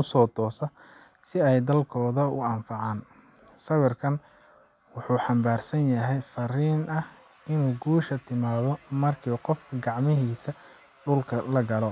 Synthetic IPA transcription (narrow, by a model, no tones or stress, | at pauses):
ʊsɔːt̪ʰɔːsɔ | sɪɛjd̪ɐlkʰɔːðɐʊ̰ɐmfɑʕɑːn | sɐwɪrkʰɐn | wʊħuːħɑmbaːrsɐnjɐɦɛjfɐriːnɐh | ɪnuːɡuːʃɐt̪ʰɪmaːðɔmɐrkʰiːqɔfkʰɐɡɑʕmɪɦiːsɐ | ɖʊlkʰɐlɐɡɐlɔ